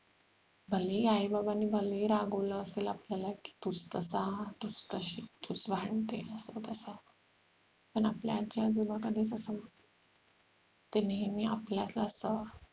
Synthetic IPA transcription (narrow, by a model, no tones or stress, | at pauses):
bʱəlijaɦibabaniːbʱəliɾaɡoləəselapljalaki̥ːt̪ut͡st̪əsat̪ut͡st̪əɕit̪ut͡sʋʱaɳt̪eəsət̪əsa | pəɳapljad͡ʑjad͡zumakəd̪ʱet͡səsəmə | t̪eniɦmiːapljaslaəsə